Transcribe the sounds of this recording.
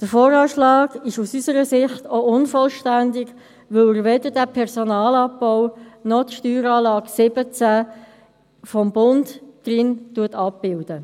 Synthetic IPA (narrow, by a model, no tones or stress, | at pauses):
d̥əfoːɾɑːʃlɑːɡɪʃusysəɾəsɪχtoʊnfɔlʃtændɪɡ | vɵləɾvɛdəɾdæpʰɛʁsɔnɑːlɑp̚ːɔʊnɔtʃtyːɾɑːlɑːɡsɪbət͡sæ | fɔmbʊndd̥rɪntuətɑp̚b̥ɪld̥ə